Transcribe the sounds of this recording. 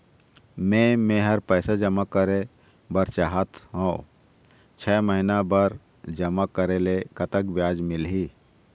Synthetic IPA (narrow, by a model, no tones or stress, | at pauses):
mẽmẽɦəɾpɛːsad͡ʒəmakəɾe | bəɾt͡ʃaɦət̪ɦõ | t͡ʃʰɛːməɦinabəɾ | d͡ʒəmakəɾelekət̪əkbjaːd͡ʒmɪlɦi